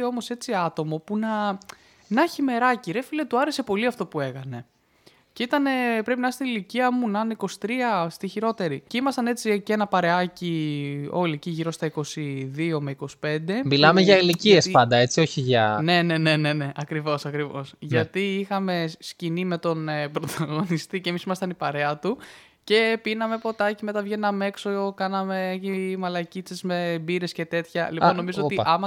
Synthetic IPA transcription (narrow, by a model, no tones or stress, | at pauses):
o̞mo̞se̞t͡siɐt̪o̞mo̞punɐ | nɐçime̞ɾɐciɾe̞filet̪uɐɾese̞po̞liɐft̪o̞pue̞kɐne̞ | ceit̪ɐne̞pɾe̞pinɐst̪iniliciɐmunɐniko̞si̥t̪ɾiɐst̪içiɾo̞t̪e̞ɾiceimɐsɐne̞t͡sicenɐpɐɾe̞ɐcio̞̰liciʝiɾo̞st̪ɐiko̞siðio̞me̞iko̞si̥pe̞nd̪e̞milɐmeʝɐiliciespɐnd̪ɐe̞t͡sio̞çiʝɐne̞ne̞ne̞ne̞ne̞ʔɐkɾivo̞sɐkɾivo̞sʝɐt̪iixɐme̞scinime̞t̪o̞nepɾo̞t̪ʰɐɣo̞nist̪icemisimɐst̪ɐnipɐɾe̞ɐt̪u | ce̞pinɐme̞po̞t̪ɐcime̞t̪ɐvʝe̞nːɐme̞ksookɐnɐme̞imɐlɐcit͡sezme̞biɾe̞sce̞t̪e̞t̪çɐliponːo̞mizot̪iʔɐmɐ